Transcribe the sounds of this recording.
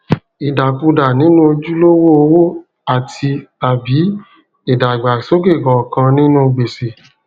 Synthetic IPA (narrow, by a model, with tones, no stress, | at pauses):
i˨da˨kũ˧da˨nĩ˨˦nũ˦o˧d͡ʒu˦lo˦wo˦o˧wo˦ | a˨tʰi˧a˨bi˨˦ | i˦˨da˨ɡ͡ba˨so˨˦ɡe˦˨ɡɔ̃˨kã˧nĩ˦nũ˦˧ɡ͡be˨se˨